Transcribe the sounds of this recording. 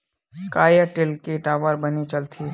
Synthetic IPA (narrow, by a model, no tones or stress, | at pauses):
kaːjəʈɪlkeʈaːʋəɾbənit͡ʃɐlt̪ʰi